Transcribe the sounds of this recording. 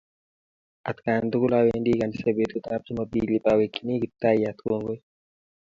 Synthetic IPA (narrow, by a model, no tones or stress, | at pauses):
at̪kand̪ukulawendikanisebet̪ut̪ab̚d͡ʒimabiːlibawekːinikit̪ːajat̪koŋɡoj